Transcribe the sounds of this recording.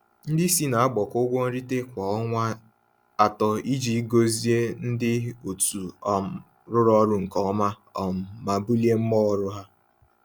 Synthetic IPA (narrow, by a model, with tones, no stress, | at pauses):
n̩˦dɪ˦si˦na˨a˦ɡ͡bɔ˨kʊ˦ɡʷo˦n̩˦ɾi˦te˦kʷa˨ɔ˦ŋʷa˦ | a˨tɔ˨i˦d͡ʒi˦ɡo˦zi˦e˦n̩˦dɪ˦o˨tu˨ɔ˨ | ɾʊ˦ɾɔ˦ɾʊ˦ŋ̩˨kɔ˦ɔ˦ma˦ | ɔ˨m̩˨ma˨bu˦li˦e˦m̩˦mɔ˦˨˦ɾʊ˦ɦa˦